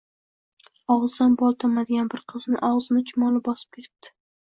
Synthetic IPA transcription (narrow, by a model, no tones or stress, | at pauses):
ɒʁɨzd̪anbɒlˠt̪ʰɒmad̪ɪɡʲanbɪɾqʰɨznɪʔɒʁzɪnɪt͡ʃʰʊmɒlɪbɒsɪ̥p̚kʰʲe̞t̪ʰɪp̚t̪ʰɪ̥